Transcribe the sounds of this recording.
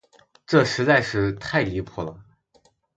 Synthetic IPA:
ʈ͡ʂɤ˥˩ʂɻ̩˧˥t͡sa˥˧ɪʂɻ̩˥˧t̪ʰa˥˩ɪli˧˥pʰɔ˥˩lə˩

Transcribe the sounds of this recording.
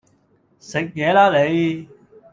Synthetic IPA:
sɪ˨k̚jɛː˨˧laː˥le˨˧j

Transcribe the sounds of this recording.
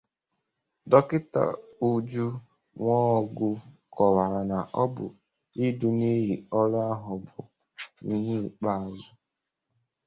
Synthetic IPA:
dɔ˦kɪ˦ta̰˨u˦d͡ʒu˦ | ŋʷɔ˦ɔ˨ɡʊ˦kɔ˨wa˨ɾa˨na˨ʔɔ˦bʊ̰˨ | i˦du˨ne˦ji˨ɔ˦la˦ɦʊ˨bʊ̰˨ | i˨ɦi˦˨k͡pa˦a˨zʊ˦

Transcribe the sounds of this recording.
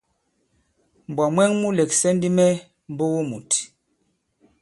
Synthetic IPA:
m̩˨bwɔ˨mwɛ˦ŋmu˦le˨ksɛ˦ndi˦mɛ˦ | m˦bo˦wo˦mu˨t

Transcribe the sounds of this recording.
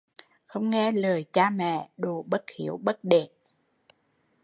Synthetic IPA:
xə˧wŋ͡mŋɛ˧ləː˨˩jt͡ɕaː˧mɛ̰˧˨ɗo˨˩ɓə˦˥t̚xi˧˦əwɓə˦˥t̚ɗe˧˨

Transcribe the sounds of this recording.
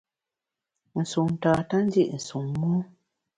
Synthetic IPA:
n̩˨su˨ŋn̩˨taː˨ta˦n̩˦di˦ʔn̩˨su˨ŋːɔ˦

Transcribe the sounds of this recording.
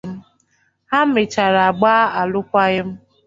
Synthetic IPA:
m̩˦ | ha˦m̩˦mɪ˨t͡ʃa˨ɾa˨a˨ɡ͡baː˦a˨lʊ˦kʷa˦ɣɪ˦m̩˦

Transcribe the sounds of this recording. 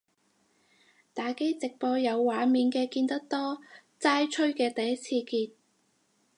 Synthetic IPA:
t̪aː˨ke˥jt͡sɪ˨k̚pɔː˧jɐ˨˧wːaː˨˧miː˨nkɛː˧kiː˧nt̪ɐ˥k̚t̪ɔː˥t͡saː˥jt͡ʃʰɵ˥ɥkɛː˧t̪ɐ˨jɐ˥t͡sʰiː˧kiː˧t̪̚

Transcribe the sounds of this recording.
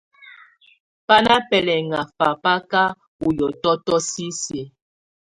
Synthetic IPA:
pa˦na˦pɛ˨lɛ˨ŋa˨fa˨pa˦ka˦ | u˨jɔ˨tɔ˦tɔ˦si˦se˨

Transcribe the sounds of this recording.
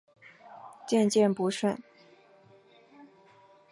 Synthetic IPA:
t͡ɕjɛ˥˧nt͡ɕjɛ˥˩npu˧˥ʂə˥˩n

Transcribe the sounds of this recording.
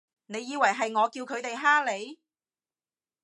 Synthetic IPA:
ne˨˧jːiː˨˧wɐ˨˩jɦɐ˨jŋɔː˨˧kiː˧wkʰɵ˨˧ɥt̪e˨jɦaː˥le˨˧j

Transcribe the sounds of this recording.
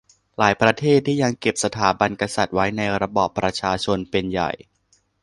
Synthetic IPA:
laː˩˦jpɾa˧t̪ʰeː˥˩t̪ʰːiː˥˩ja˧ŋke˨˩p̚sa˧t̪ʰaː˩˦ba˧nka˧sa˨˩t̪̚wa˦˥jna˧jɾa˧bɔ̰ː˨˩pːɾa˧t͡ɕʰaː˧t͡ɕʰo˧npe˧nja̰˨˩j

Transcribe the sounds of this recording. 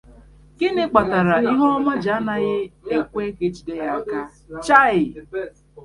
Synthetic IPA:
kɪ˦nɪ˨k͡pa˨ta˨ɾa˨i˦ɦɔ˦ma˦d͡ʒa˦na˨ɣɪ˦e˦kʷe˦ke˦t͡ʃi˨de˦ɣa˦ka˦ | t͡ʃa˦ɪ˨˦

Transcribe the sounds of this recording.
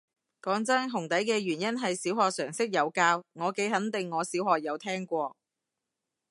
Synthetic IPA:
kɔː˨˥ŋt͡sɐ˥nɦʊ˨˩ŋt̪ɐ˨˥jkɛː˧ɥyː˨˩njɐ˥nɦɐ˨jsiː˨˥whɔː˨k̚sœː˨˩ŋsɪ˥k̚jɐ˨˧wkaː˧wŋɔː˨˧ke˨˥jɦɐ˨˥nt̪ɪ˨ŋːɔː˨˧siː˨˥whɔː˨k̚jɐ˨˧wt̪ʰɛː˥ŋkʷɔː˧

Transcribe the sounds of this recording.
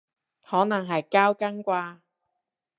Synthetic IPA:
hɔː˨˥nɐ˨˩ŋɦɐ˨jkaː˥wkɐ˥ŋkʷaː˧

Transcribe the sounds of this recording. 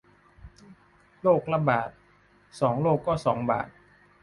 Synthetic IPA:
loː˥˩k̚la˧baː˨˩t̪̚ | sɔː˩˦ŋloː˥˩kːɔː˥˩sɔː˩˦ŋba̰ː˨˩t̪̚

